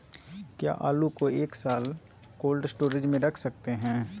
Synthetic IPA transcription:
kja̰ːʔaːlukoeːksaːl | koːlɖsʈoːɾɪd͡ʒmẽɾɐkʰsɐk̚t̪eɦɛ̃ː

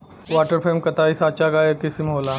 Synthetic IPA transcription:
ʋaːʈəɾpʰeːmkɐt̪aːisaːt͡ʃaːɡaːjɐkisimɦoːlaː

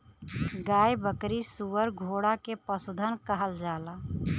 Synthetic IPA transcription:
ɡajbəkɾisuʋəɾɡʱoɽakepəsud̪ʱənkəɦəld͡ʒala

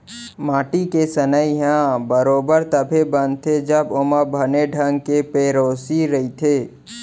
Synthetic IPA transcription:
maːʈikesənəiɦãbəɾoːbəɾt̪əbʱebənt̪ʰed͡ʒəbʊməbʱɐneɖʱəŋɡkepeːɾoːsiɾɐit̪ʰeː

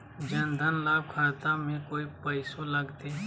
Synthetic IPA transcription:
d͡ʒənd̪ʱənlaːb̚kʰaːt̪amẽkoːipəɪsoləɡt̪eː

